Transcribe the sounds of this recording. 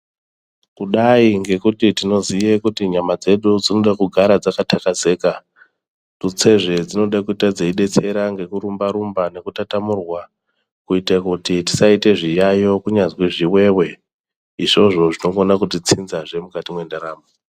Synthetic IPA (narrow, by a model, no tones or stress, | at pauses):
kuɗaiŋɡe̞kutitino̞zijekutiɲamad͡ze̞ɗud͡zino̞ɗakuɡʱaɾad͡zakatʰakaze̞ːka | tut͡se̞ʐe̞d͡zino̞ɗakuitad͡zeiɗe̞t͡se̞ɾaŋɡe̞kuɾumbaɾumbane̞kutatamurwa | kuitakutiti̥saite̞ʐijajo̞kuɲazwiʐiwe̞we̞ | iʐo̞ʐo̞ʐino̞ŋɡonakutit͡sinzaʐe̞mukatimwe̞ndaɾaːmbo